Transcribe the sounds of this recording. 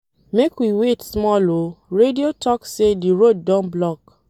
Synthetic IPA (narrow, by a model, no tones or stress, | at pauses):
mekwiwetsmɔloɹediotʰɔksediɾod̚ːãnblɔk